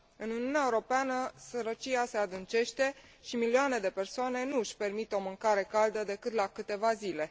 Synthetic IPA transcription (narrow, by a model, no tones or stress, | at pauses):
ɨnuniuneaeuɾo̞peanəsəɾət͡ʃiase̞ad̪ɨnt͡ʃe̞ʃt̪e̞ʃimiliane̞d̪e̞pe̞rsoane̞nuɨʃʲpe̞rmit̪o̞mɨŋkaɾe̞kald̪əd̪e̞kɨt̪lakɨt̪e̞vazile̞